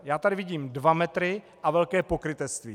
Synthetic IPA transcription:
jaːt̪adɪvɪɟiːmdvamɛt̪ɾɪ | ʔavɛlkɛːpo̞kɾɪt̪ɛst̪vḭː

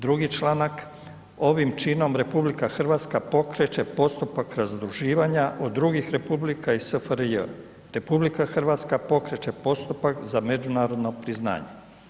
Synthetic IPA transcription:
d̪ɾuɡit͡ʃlˠaːnak | o̞ʋimt͡ʃiːno̞mɾe̞publikaxr̩ʋaːt̪skapo̞kɾe̞t͡ʃe̞po̞st̪upakɾazd̪ɾuʒiːʋaɲaʔo̞d̪ːɾuɡixɾe̞publikaisəfəɾjə | ɾe̞publikaxr̩ʋaːt̪skapo̞kɾet͡ʃe̞po̞st̪upakzame̞d͡ʒunaːɾo̞d̪no̞pɾizna̰ːɲe̞

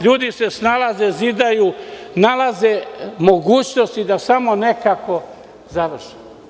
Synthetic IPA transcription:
ʎuːd̪isesnalazezid̪ajunalazemo̞ɡuːt͡ɕnost̪id̪asamo̞ne̞kako̞ | zaʋr̩ʃi̥m

